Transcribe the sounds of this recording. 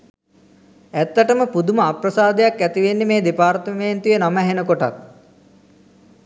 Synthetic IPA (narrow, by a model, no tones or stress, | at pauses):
æt̪ːəʈəməpud̪uməaprɐsaːd̪ejakːæt̪iʋenːemeːd̪epaːrt̪əmeːnt̪ujənamɛɦenəkoʈa̰t̪̚